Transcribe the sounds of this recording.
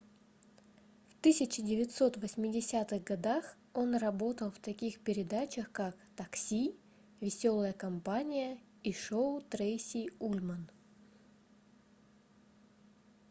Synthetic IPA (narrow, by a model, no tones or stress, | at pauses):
ft̪ɨsʲɪt͡ɕɪdʲɪvʲɪt̪so̞t̪vəsʲmʲɪdʲɪsʲat̪ɨɣɡɐd̪ax | o̞nrɐbo̞t̪əlˠft̪ɐkʲixpʲɪɾʲɪd̪at͡ɕəxkakt̪ɐksʲi | vʲɪsʲo̞lˠəjəkɐmpanʲɪjə | iʂoʊt̪ɾejsʲiulʲmən